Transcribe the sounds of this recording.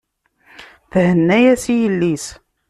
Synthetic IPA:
θhənːæjæsijəlːis

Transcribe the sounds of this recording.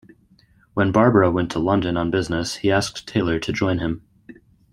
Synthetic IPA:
wə̃nbɑɹbəwɛ̃ntʰəlʌ̃ndɨ̃nə̃nbɪznɨshiæsk̚tʰeɪlˠə˞ɾɨd͡ʒɔ̃ɪ̃nɨ̃m

